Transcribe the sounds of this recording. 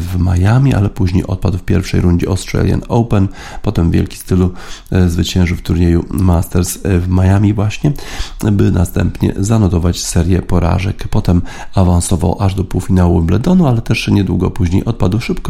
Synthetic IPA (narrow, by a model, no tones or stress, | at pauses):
vmajamʲiʔa̰lɛpuʑɲejʔɔt̪̚pad̪wfpʲjɛɾfʂɛ̰jɾuɲd͡ʑiɔst̪ɾa̰lʲja̰nɔwpɛn | pɔt̪ɛmvʲjɛ̰lkʲi̥st̪ɘluzvɘt͡ɕɛ̃w̃ʐɘft̪uɾɲejumast̪ɛɾsvmajamʲivwaɕɲɛbɘnast̪ɛ̰mpɲɛ̰zanɔt̪ɔvat͡ɕsɛɾʲjɛpɔɾa̰ʐɛkpɔt̪ɛmavansɔva̰wʔaʐd̪ɔpuwfʲinawublɛd̪ɔnualɛt̪ɛʂɲɛd̪wuɡɔ̰puʑɲejʔɔt̪̚pad̪wʂɘpkɔ